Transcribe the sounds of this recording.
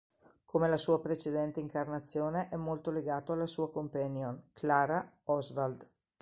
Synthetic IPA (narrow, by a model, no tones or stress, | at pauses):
kʰomelasuːapɾet͡ʃed̪ɛnt̪eiŋkarnat̪sːjoːneʔɛmːolt̪oleɡaːt̪oalːasuːakompanjonkʰlaːɾaɔzvald̪